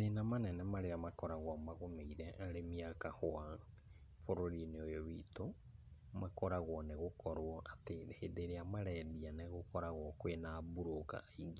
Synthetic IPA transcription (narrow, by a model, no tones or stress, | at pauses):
nenamanɛnɛmaɾeamakɔɾaɣwamaɣomeiɾɛʔaɾemiakahwa | foɾoɾineojɔβito | makɔɾaɣwɔneɣokɔɾwɔʔatenehedeɾeamaɾɛdianeɣokɔɾaɣwɔkwenabuɾoka̰iɡi